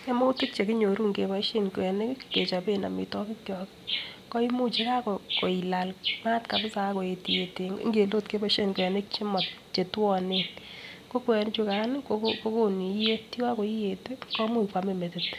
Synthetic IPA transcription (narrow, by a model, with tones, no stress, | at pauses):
e˦mo˦tɪ˦tt͡ʃe˨ki˦ɲo˨ɾu˦ŋɡe˨ba˨˦ʃe˦nkwɛ˨ne˦kkke˨t͡ʃa˨pe˦na̰˨mḭ˨tɔ˦kɪ˦kjɔ˨kɪkɔ˦i˦mu˦t͡ʃe˦ka˦kɔ˨ko˨i˨la˨lma˦tka˨pɪ˦sa˨˦ko˨e˨ti˨je˨tḛ˨˦ŋɡe˨lo˦tke˦ba˦ʃe˦nkʷɛ˨ne˦kt͡ʃi˦mɔ˨tt͡ʃe˨twɔ˨nen | ko˦kwɛ˨nɪ˦t͡ʃu˧ka˨˦nɪ˦kokoko˦ko˦ni˨˦je˦ti˦wa˦ko˨i˦je˨te˦kɔ˦mu˦pwa˨me˦˨me˨tɪt